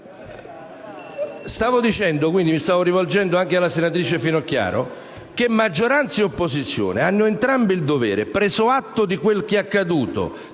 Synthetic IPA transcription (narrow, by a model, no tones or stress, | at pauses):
st̪aːvod̪it͡ʃɛnd̪okwind̪imist̪aːvoɾivold͡ʒɛnd̪oaŋk̟ealːasenat̪ɾiːt͡ʃefinoakːja̰ːɾo̰ | k̟emːad͡ʒːoɾant̪seopːosit̪sːjo̰ːneanːʊent̪ɾambiild̪ovɛ̰ːɾepɾeːzoat̪ːod̪ikwelk̟eakːad̪uːt̪o̰